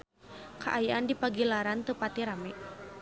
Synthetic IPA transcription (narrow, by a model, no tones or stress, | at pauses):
kʰaʔajaʔandipaɡilaɾant̪əpat̪iɾamɛʔ